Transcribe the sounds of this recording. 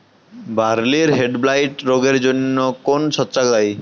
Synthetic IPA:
baɾliɾɦeɖblajʈɾoɡeɾd͡ʑonːokonʃʰɔtːʃakd̪aj

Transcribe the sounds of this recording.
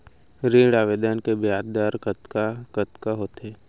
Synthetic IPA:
ɾẽːɽaːʋeːd̪ənkebjaːd̪d̪aɾkət̪kakət̪kaɦoːt̪eː

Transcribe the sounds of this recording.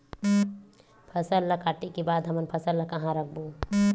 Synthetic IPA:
pʰəsəlːɐkaːʈikebaːd̪ɦɐmənpʰɐsəlːakɐɦãɾək̚ʰbu

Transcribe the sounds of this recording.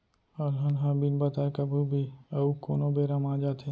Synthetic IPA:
ɔːɾɦənɦãbinbət̪aːekəbʱubʱiɐukoːnobʱeɾəmaːd͡ʒaːt̪ʰẽ

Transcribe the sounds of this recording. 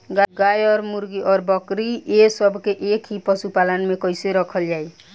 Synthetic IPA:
ɡaɡajɔɾmuɾɡiʔɔɾbɔkɾiesɔbkeʔekʰipɔsupalɔnmekɔjseɾɔkʰɔld͡ʒaj

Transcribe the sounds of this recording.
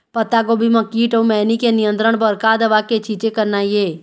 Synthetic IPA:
pət̪aɡobʱiməkːiːʈomɛːnikenijə̃nt̪ɾəɳ̃bəɾkad̪əʋaket͡ʃit͡ʃekəɾnajeː

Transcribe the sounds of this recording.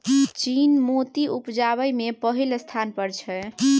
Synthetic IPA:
t͡ʃinmot̪iupd͡ʒaβəjmepəɦilst̪ʰanpəɾt͡ʃʰɛ

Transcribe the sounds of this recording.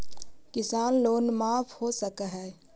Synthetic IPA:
kɪsaːnloːnmaːfhoːsɐkaɦɛː

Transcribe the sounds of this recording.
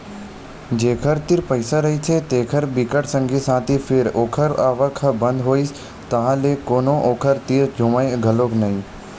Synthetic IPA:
d͡ʒeːkʰəɾt̪iɾpəɪsaɾɐɦit͡ʃʰet̪eːkʰəɾbikəʈsə̃ŋɡʱisãːt̪ipʰɪɾoːkʰəɾaːʋəkʰbə̃nd̪ɦoːis | t̪ɐɦãlekoːnoʔoːkʰəɾt̪iːɾd͡ʒʱʊmaːjɡʱəloːknəɦĩ

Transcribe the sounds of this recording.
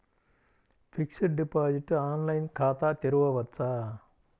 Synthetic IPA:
fʰiksiʈ̚ɖipaːd͡ʑiʈːɨaːnlɐjnkʰaːt̪aːt̪eɾɯʋɐʋɐt̪saː

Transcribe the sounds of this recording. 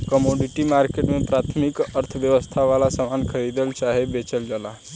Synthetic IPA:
kəmoɖiʈimaɾkeʈmepɾat̪ʰmikəɾt̪ʰəʋjəʋəst̪ʰaʋalasəmankʰəɾid̪əlt͡ʃaɦebet͡ʃəld͡ʒala

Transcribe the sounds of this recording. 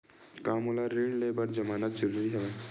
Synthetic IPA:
kaːmulaɾeɖleːbəɾd͡ʒəmaːnat̪̚d͡ʒəɾuːɾiɦɛ

